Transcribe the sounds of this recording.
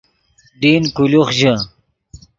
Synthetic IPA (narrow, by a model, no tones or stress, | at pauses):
ɖiːnkuluχʑə